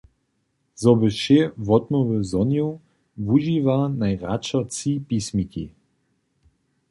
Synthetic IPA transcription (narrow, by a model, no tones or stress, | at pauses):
zɔbəʃɛvɔt̪mɔvəzɔnju | vuʒivanajʁa̰t͡ʃat͡sipismikḭ